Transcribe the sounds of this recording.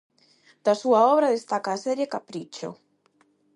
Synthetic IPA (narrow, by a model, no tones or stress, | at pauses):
d̪̥asuaɔβɾaðest̪akaːsɛɾjekapɾit͡ʃo̰